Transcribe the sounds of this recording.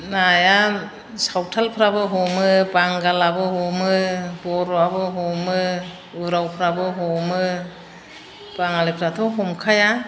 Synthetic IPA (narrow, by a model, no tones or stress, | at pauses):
naja | sawtʰalpʰɾabɯɦɔmɯbaŋɡalabɯhɔmɯbɔɾɔabɯɦɔmɯ | ɯɾawpʰɾabɯɦɔmɯ | b̥aŋalepʰɾatʰɔɦɔmkʰaja